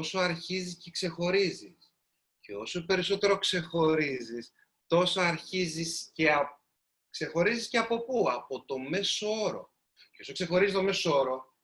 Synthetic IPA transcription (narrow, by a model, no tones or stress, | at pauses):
osoɐɾçizisce̞kse̞xo̞ɾizis | ceo̞sope̞ɾiso̞t̪e̞ɾo̞kse̞xo̞ɾizis | t̪o̞soɐɾçizisceɐ | kse̞xo̞ɾizisceɐpo̞puɐpo̞t̪o̞me̞so̞o̞ɾo̞̰ | ceo̞sokse̞xo̞ɾizist̪o̞me̞sooɾo̞